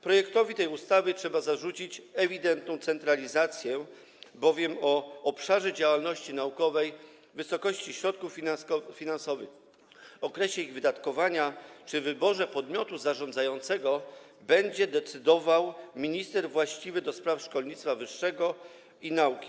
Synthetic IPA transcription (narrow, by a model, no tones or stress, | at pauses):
pɾɔjɛkt̪ɔvʲit̪ɛjust̪avɘtʂɛbazaʐut͡ɕit͡ɕɛvʲid̪ɛnt̪̚nɔ̃w̃t̪sɛnt̪ɾalʲizat̪sʲjɛ | bɔvʲjɛmɔːpʂaʐɛd͡ʑawalnɔɕt͡ɕinaukɔvɛj | vɘsɔkɔɕt͡ɕiɕɾɔt̪̚kuffʲinansɔvɘx | ɔkɾɛɕɛiɣvɘd̪at̪kɔvaɲat͡ʂɘvɘbɔʐɛpɔd̪mʲjɔt̪uzaʐɔ̃nd̪zajɔnt̪sɛɡɔ | bɛɲd͡ʑɛd̪ɛt̪sɘd̪ɔvawmʲiɲist̪ɛɾvwaɕt͡ɕivɘd̪ɔspɾafʂkɔlɲit̪st̪favɘʂːɛɡɔ | inaukʲi̥